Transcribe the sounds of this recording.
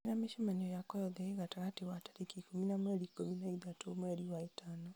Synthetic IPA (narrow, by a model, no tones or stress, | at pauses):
enameʃemaɲɔjakɔjɔðɛeɣataɣatewatḁɾekikominamwɛɾikominaiðatomwɛɾiwaetanɔ